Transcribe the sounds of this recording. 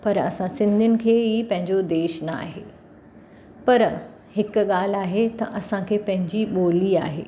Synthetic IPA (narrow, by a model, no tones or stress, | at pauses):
pɐɾɐ̰sãsɪ̃nd̪ʱijʊnɪ̆kʰeːɦiːpɐ̃ɦɪ̃ɲd͡ʑod̪eːʃnɐa̰ːɦeː | pɐɾ | hɪkɠaːl̤aːɦet̪ɐʔɐsãkʰeːpɐ̃ɦɪ̃ɲd͡ʑiɓoːlia̰ːɦḛː